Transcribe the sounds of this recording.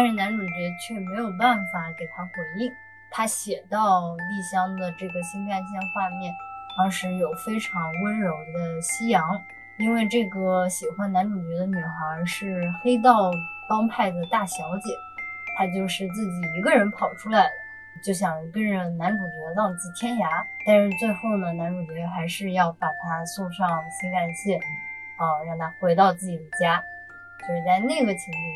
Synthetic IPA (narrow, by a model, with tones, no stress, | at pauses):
t̪ʂɻ̩˥˩na˧˥nʈ͡ʂu˨˩t͡ɕɥɛ˧˥t͡ɕʰɥɛ˥˩me˧˥ɪjo˨˩ʊpa˥˩nfa˨˩ke˨˩ɪt̪ʰa˥xwə˨˩ni˥˩ŋ | t̪ʰa˥ɕjɛ˨˩t̪ɑ˥˧ʊli˥˩ɕjɑ˥ŋd̪ə˨ʈ͡ʂɤ˥˩ɡə˩ɕi˥na˥˧nɕ̬jɛ˥˧nxwa˥˧mjɛ˥˩nt̪ɑ˥ŋʂɻ̩˧˥jo˨˩ʊfe˥ɪʈ͡ʂʰɑ˧˥ŋwə˥nɻo˨˩ʊd̪ə˧ɕi˥jɑ˧˥ŋ | i˥nwe˥˧ɪʈ͡ʂɤ˥˩ɡə˩ɕi˨˩xwa˥nna˧˥nʈ͡ʂu˨˩t͡ɕɥɛ˧˥d̪ə˧ny˨˩xɑ˧˥ʂɻ̩˥˩xe˥ɪt̪̬ɑ˥˩ʊpɑ˥ŋpʰa˥˩ɪd̪ə˩t̪a˥˩ɕjɑ˧˥ʊt͡ɕjɛ̰˨˩˦t̪ʰa˥t͡ɕjo˥˧ʊʂɻ̩˥˧t͡sɹ̩˥˩t͡ɕi˨˩i˧˥ɡə˧ɻə˧˥npʰɑ˨˩ʊʈ͡ʂʰu˥la˧˥ɪd̪ə˧ | t͡ɕjo˥˩ʊɕ̬jɑ˨˩ŋkə˥nʈ͡ʂə˧˩na˧˥nʈ͡ʂu˨˩t͡ɕɔ˧˥lɑ˥˧ŋt͡sɹ̩˥˩t̪ʰjɛ˥nja˧˥t̪a˥˧nʂɻ̩˥˧t͡swe˥˧ɪxo˥˩ʊnə˩na˧˥nʈ͡ʂu˨˩t͡ɕɥɛ˧˥xa˧˥ɪʂɻ̩˥˧jɑ˥˩ʊt̪a˨˩t̪ʰa˥su˥˧ʊʂɑ˥˧ŋɕʰi˧˥ka˨˩nɕɛ˥˩ | ə˥˧jɑ˥˩ʊna˧˥xwe˧˥ɪt̪ɑ˥˧ʊt͡sɹ̩˥˩t͡ɕi˨˩d̪ə˦t͡ɕja˥ | swɔ˧˥i˨˩t͡sa˥˧ɪna˥˩ɡə˩t͡ɕʰi˧˥u˥˩